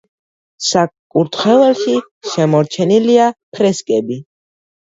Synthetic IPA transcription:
sakkʼuɾt̪ʰχɛvɛlʃi | ʃɛmɔɾt͡ʃʰɛniliapʰɾɛskʼɛbi

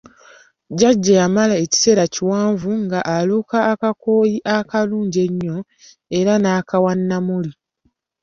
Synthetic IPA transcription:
ɟaɟːajamalaeci̥se̞ːɾaciwaːɱvuŋɡaʔːluːkaːkakoːjiʔakaluːɲɟe̞ɲːo̞ | e̞ɾanaːkawanːamuli

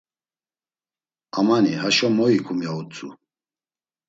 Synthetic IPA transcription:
amanihaʃɔmɔikʰumjaut͡sʼṵ

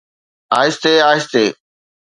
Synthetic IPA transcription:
aːɦɪst̪eːaːɦɪst̪eː

